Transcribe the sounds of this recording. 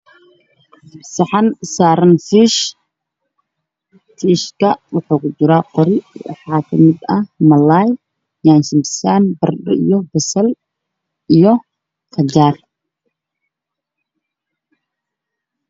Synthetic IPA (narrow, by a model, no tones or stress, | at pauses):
sɑħɑnsaːɾɐnfiːʃ | fiːʃkʰɐwʊħuːkʰʊt͡ʃɪɾaqɔɾɪwɑ̰ħaːkʰɐmɪd̪ɐhmɐlaːj | jaːnsɪmbsaːnbɐrɗɔ̰ḭjɔbɐsɐl | ijɔ | kɐd͡ʒaːr